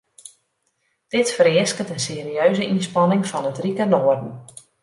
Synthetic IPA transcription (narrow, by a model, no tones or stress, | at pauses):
d̥ɪtfəɾɪəskətənseːɾiøɥzəʔinspɑnɪŋfɑnətrikənoːərdn̩